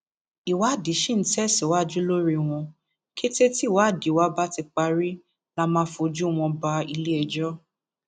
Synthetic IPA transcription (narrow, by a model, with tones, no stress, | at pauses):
i˨wa˨˦˨di˨˦ʃĩ˦˨n̩˨˦tɛ˦˨si˨˦wa˦d͡ʒu˦lo˦ɾi˧w̃ɔ̃˧ | kʰe˦te˦ti˦˨wa˨˦˨di˨˦wa˦ba˦ti˧k͡pa˦ɾi˦ | la˦mãː˦fo˧d͡ʒu˦w̃ɔ̃˧ba˨˦i˧le˦ɛ˧d͡ʒɔ˦